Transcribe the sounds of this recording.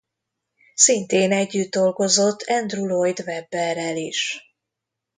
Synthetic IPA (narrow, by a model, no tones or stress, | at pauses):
sint̪eːnɛɟːyd̪ːo̞lɡo̞zo̞t̪ʰːɛnd̪rulojd̪vɛbːɛrɛliʃ